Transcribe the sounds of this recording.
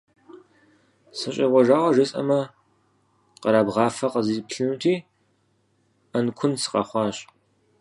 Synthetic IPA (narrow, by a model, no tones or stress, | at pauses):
sɨɕʼɐʁʷɔʒaːʁʷɔʒɪsʼɐ̰mɐ | qɐɾaːbʁɑːfɐqəziːpɬɨnutʰiː | ɐnkʷʰʊnsɨ̥qʼɐ̰χʷɑːɕʼ